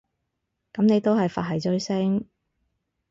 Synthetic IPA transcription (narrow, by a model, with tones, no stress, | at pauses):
kɐ˨˥mne˨˧jt̪o˥whɐ˨jfa̰ː˨t̚ɦɐ˨jt͡sɵ˥ɥsɪ˥ŋ